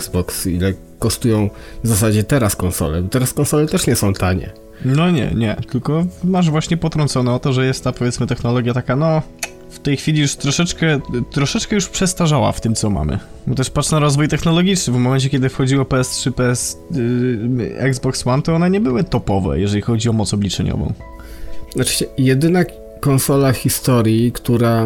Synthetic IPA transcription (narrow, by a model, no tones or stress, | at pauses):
zbɔksḭlɛ | kɔʂt̪ujɔ̃w̃vzasad͡ʑɛt̪ɛɾaskɔnsɔ̰lɛbɔt̪ɛɾaskɔnsɔlɛt̪ɛʂɲɛsɔ̃w̃t̪aɲɛ̰ | nɔɲɛ̰ɲɛ̰t̪ɘlkɔmaʐvwaɕɲɛpɔt̪ɾɔnt̪sɔnɛɔt̪ɔʐɛjɛst̪ːapɔvʲɛtsmɘt̪ɛxnɔlɔɡʲjat̪akanɔ | ft̪ɛjxfʲilʲijuʂt̪ɾɔʂɛt͡ʂkɛt̪ɾɔʂɛt͡ʂkɛjuʂpʂɛst̪aʐawa̰ft̪ɘmt̪sɔma̰mɘ̰ | bɔt̪ɛʂpatʂnaɾɔzvujt̪ɛxnɔlɔɡʲit͡ʂnɘvmɔmɛnt͡ɕɛkʲjɛd̪ɘfxɔd͡ʑiwɔpɛɛst̪ʂɘpɛɛs | ɛ̰ɡzbɔkswant̪ɔɔnɛɲɛbɘwɘt̪ɔpɔvɛ̰jɛʐɛlʲixɔd͡ʑiɔmɔt̪sɔblʲit͡ʂɛɲɔ̰vɔ̰̃w̪̃ | at͡ʂɕɛjɛd̪ɘna | kɔnsɔlaxʲist̪ɔɾʲjikt̪uɾa